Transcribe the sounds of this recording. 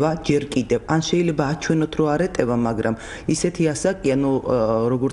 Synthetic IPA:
ad͡ʒɛɾkʼid̪ɛvanʃɛilɛbaːt͡ʃʰwɛnɔt̪ʰɾɔaɾɛt̪ʼɛvamaɡɾam | isɛt̪ʰiasakʼianuɾɔɡɔɾ

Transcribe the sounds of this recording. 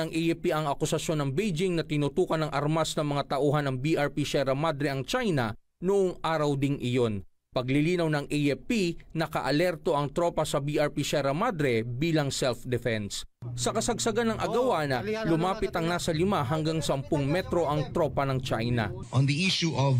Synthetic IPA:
ɐŋʔɛjɛpiʔɐŋɐkʊsɐʃjo̞nːɐŋbejd͡ʒɪŋnɐt̪ɪnʊt̪uːkɐnːɐŋʔɐɾmasnɐŋmɐŋat̪ɐʔuːɦɐnːɐŋbiʔɐɹpiʃɛɾɐmad̪ɾɛɐŋt͡ʃajnɐ | nʊʔoŋʔaːɾɐwd̪ɪŋʔɪjo̞n | pɐɡlɪliːnɐwnɐŋʔɛjɛpinɐkɐ̰ʔɐlɛɾt̪o̞ʔɐŋt̪ɾo̞pɐsɐbiʔɐɹpiʃɛɾɐmad̪ɾɛbiːlɐŋsɛlfd̪ɛfɛnssɐkɐsɐɡsɐɡanɐŋʔɐɡɐwanɐlʊmaːpɪt̪ɐŋnasɐlɪmaɦɐŋɡaŋsɐmpʊŋmɛt̪ɾo̞ʔɐŋt̪ɾo̞pɐnɐŋt͡ʃajnɐ̰ | ʔɔ̃nd̪iʔiʃuʔɔv

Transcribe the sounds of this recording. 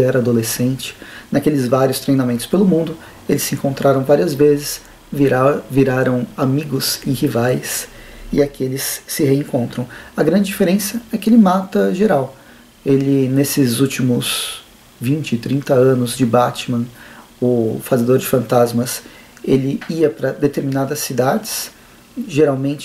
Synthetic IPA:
ɛɾɐad̪olesẽnt͡ʃɪ̥nakelɪzvaɾiʊst̪ɾejnamẽnt̪ʊ̥spelʊmũnd̪ʊ | elɪsːɪẽŋkõnt̪ɾaɾɐ̃w̃vaɾiɐzvezɪs | vviɾaɾɐ̃w̃amiɡʊzẽhivajsɪakelɪsːɪheẽŋkõnt̪ɾɐ̃w̃ɐɡɾɐ̃nd͡ʒɪd͡ʒifeɾẽsɐɛkɪelɪmat̪ɐʒeɾaw | elɪnesɪzut͡ʃimʊz | vĩnt͡ʃɪt̪ɾĩnt̪ɐɐ̃nʊzd͡ʒɪbat͡ʃimɐ̃ | ʊfazed̪oɾd͡ʒɪfɐ̃nt̪azmɐs | elɪiɐpɾɐd̪et̪eɾminad̪ɐsːid̪ad͡ʒɪs | ʒeɾawmẽnt͡ʃɪ

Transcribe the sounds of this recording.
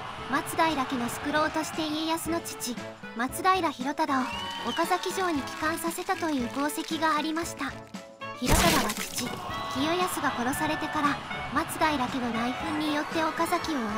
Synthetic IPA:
mat͡sɨd̪aiɾake̞no̞sɨ̥kɯ̟ɾo̞ːt̪o̞ɕi̥t̪e̞iejasɨno̞t͡ɕi̥t͡ɕi | mat͡sɨɡ̪aiɾaçiɾo̞t̪ad̪ao̞okazakʲiʑo̞ːɲ̟ikʲi̥kãɰ̃sase̞t̪at̪o̞jɯ̟ːɡo̞ːse̞kʲiɡaːɾʲimaɕi̥t̪a | çiɾo̞t̪ad̪aβat͡ɕi̥t͡ɕikʲijo̞jasɨɡako̞ɾo̞saɾe̞t̪e̞kaɾamat͡sɨd̪aiɾake̞no̞d̪aiɸɯ̟̃ɲ̟ːijo̞t̪ːe̞o̞kazakʲio̞

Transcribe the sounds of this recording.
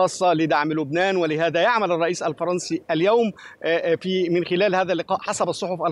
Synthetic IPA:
ɑːsˤːɑlɪd̪aʕmlʊbnæːnwɪlɪɦæːðæjaʕmælɑrˤːɑʔiːsælfɑɾˤɑnsiʔæljæwmfiːmɪnxɪlæːlɦæːðælːɪqɑːʔħasæbɑsˤːoħofʔæl

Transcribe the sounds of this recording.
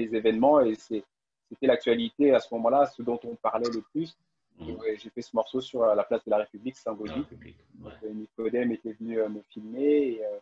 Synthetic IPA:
ezevɛnmɑ̃esɛ | set̪ɛlak̚t̪ɥalit̪easəmɔmɑ̃lasəd̪ɔ̃t̪ɔ̃paʁlɛləplys | ʒɛʒefɛsəmɔʁsosyʁlaplasd̪əlaʁepybliksɛ̃ɡod̪i | d̪ɔ̃kənikɔd̪ɛmet̪ɛvənyøməfilmeːø

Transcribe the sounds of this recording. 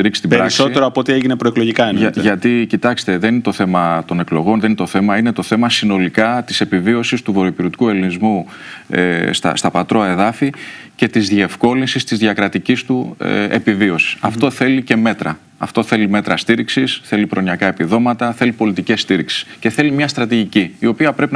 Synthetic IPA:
iɾikst̪ipbɾɐiksoeɾoɐpoot̪ieʝinepɾoe̞klo̞ʝikɐɐʝɐt̪icit̪ɐkst̪eðe̞ninet̪oθe̞mɐt̪o̞neklo̞ɣo̞nðeninet̪o̞θe̞mɐine̞t̪o̞θe̞mɐsino̞likɐt̪ise̞pivio̞sist̪uvoɾopiɾot̪i̥kue̞linizmu | est̪ɐ̰st̪ɐpɐt̪ɾo̞ɐe̞ðɐfi | ce̞t̪izðie̞fko̞linsist̪izðʝɐkɾɐt̪icist̪ue̞̰pivio̞si̥sɐft̪o̞θe̞lice̞me̞t̪ɾɐ | ɐ̰ft̪o̞θe̞lime̞t̪ɾɐst̪iɾiksisθe̞lipɾo̞nɐkɐepiðo̞mɐt̪ɐθe̞lipo̞lit̪ice̞st̪iɾiksi̥sce̞θe̞limɲɐst̪ɾɐt̪iʝiciːo̞piɐpɾe̞pin

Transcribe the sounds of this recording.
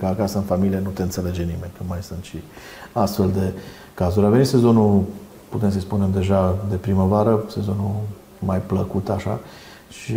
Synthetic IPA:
kəakasəɨnfamilijenut̪eɨnt̪seled͡ʒe̞nime̞nʲt̪umajsɨnt̪ʃi | ast̪fe̞ld̪e̞ | kazuɾʲavenit̪sezo̞nu | put̪e̞ms̬əjspune̞md̪e̞ʒad̪e̞pɾiməvaɾəse̞zo̞nu | majpləkut̪aʃa̰ | ʃi

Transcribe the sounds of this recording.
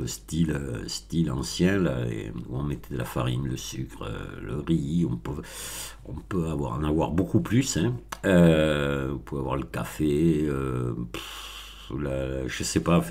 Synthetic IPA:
əst̪iløst̪ilɑ̰̃sjɛ̃lalḛuɔ̃mɛt̪ɛd̪əlafaʁinləsykχø̰ləʁiɔ̰̃pø | ɔ̃pøavwa̰ʁɑ̰̃navwaʁbokuplysɛ̃ø | ɔ̃puavwa̰ʁləkafeøp | laʒəsɛpaf

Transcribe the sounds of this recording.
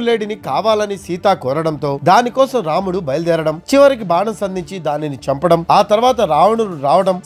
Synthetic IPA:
le̞ːɖinikaːʋaːlɐnisiːt̪aːkɔːɾɐɽɐnt̪o̞ːd̪aːnikɔːsɐmɾaːmuɽubɐjɐld̪ɛːɾɐɽɐmt͡ʃiʋɐɾik̬ibaːɳɐmsɐnd̪ʱiɲt͡ʃid̪aːninit͡ʃɐmpɐɽɐmaːt̪ɐɾʋaːt̪ɐɾaːʋɐɳuɾuɾaːʋɐɽɐm

